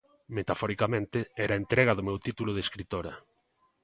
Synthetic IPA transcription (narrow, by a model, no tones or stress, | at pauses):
met̪afɔɾikamẽnt̪ɪɛɾaent̪ɾɛɣ̞ɐðʊmewt̪it̪ulʊðeskɾit̪oɾɐ